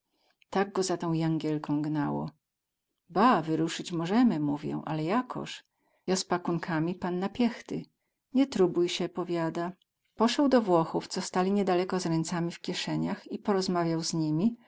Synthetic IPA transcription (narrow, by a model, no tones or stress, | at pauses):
t̪aɡ̚ɡɔzat̪ɔ̃w̃jaŋɡʲjɛlkɔ̃w̃ɡnawɔ̰ | bavɘɾuʂɘt͡ɕmɔʐɛmɘmuvʲjɛ̰w̃ʔalɛjakʰɔ̰ʂ | jɔspakuŋkʰamʲipanːapʲjɛxt̪ɘ | ɲɛt̪ɾubujɕɛpɔvʲjad̪a | pɔʂɛwd̪ɔvwɔxuft̪sɔst̪alʲiɲɛd̪alɛkɔzɾɛnt̪samʲifkʲjɛʂɛɲaxipɔɾɔzmavʲjawzɲimʲi